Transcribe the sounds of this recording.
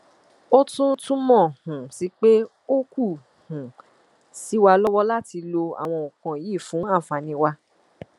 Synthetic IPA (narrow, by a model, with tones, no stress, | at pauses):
o˦tũ˦tũ˦mɔ̃˦˨hũ˨si˨˦k͡pe˦ | o˦ku˦˨ | hũ˨ | si˨˦wa˧lɔ˦wɔ˦la˦ti˧lo˧a̰˨w̃ɔ̃˧o˨kã˨ji˦˨fũ˨˦a˦˨fã˨˧nĩ˧wa˧